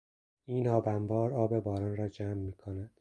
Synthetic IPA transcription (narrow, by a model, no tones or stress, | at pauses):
iːnɒːbæmbɒːɾɒːbebɒːɾɒːnrɒːd͡ʒæːmːiːkʰonæd̪̥